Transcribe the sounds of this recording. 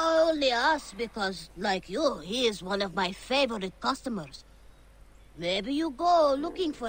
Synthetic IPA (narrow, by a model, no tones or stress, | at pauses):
onliasbikʰɔzlaɪkʰjuhiɪzwʌ̃nɔvmaɪfeɪvəɹɪt̚kʌstəmə˞z̥ | meɪbijuɡolukɪ̃ŋfɔ